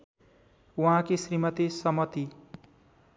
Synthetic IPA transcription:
wãkesrimʌt̪esʌmʌt̪i

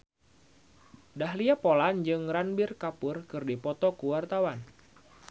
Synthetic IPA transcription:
daɦliapoland͡ʒɨŋranbɪrkapʊrkɨrdipɔt̪ɔkuwart̪awan

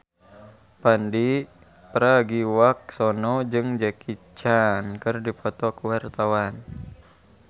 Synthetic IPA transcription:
pandi | pɾaɡiwak̚sɔnɔd͡ʒɨŋd͡ʒakit͡ʃankɨrdipɔt̪ɔkuwart̪awan

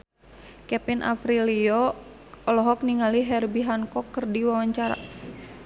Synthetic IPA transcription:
kɛpinʔa̰fɾiliɔ | ɔlɔɦɔk̚niŋaliɦɛrbiɦankɔkːɨrdiwawaɲt͡ʃaɾa̰

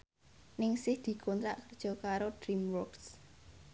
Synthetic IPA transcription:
nɪŋsɪhd̪̥i̤kʰɔnt̪ɾaʔkərd̥ʒ̥ɔ̤kaɾod̥ɾimwɔrks

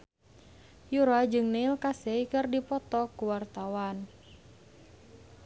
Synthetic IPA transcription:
juɾad͡ʒɨŋneilkasɛikɨrdipɔt̪ɔkuwart̪awan

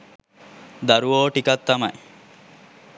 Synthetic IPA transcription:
d̪ɐɾuʋoːʈikɐt̪ːɐmɐj

